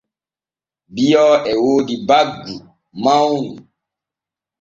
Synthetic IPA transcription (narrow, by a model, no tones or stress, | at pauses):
biɔɛwodibaɡu | mãwnu